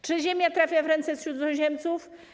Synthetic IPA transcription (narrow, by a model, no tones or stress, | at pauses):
t͡ʂɘʑemʲjat̪ɾafʲjavɾɛnt̪sɛɕɾud̪zɔw̃ʑɛmt̪suf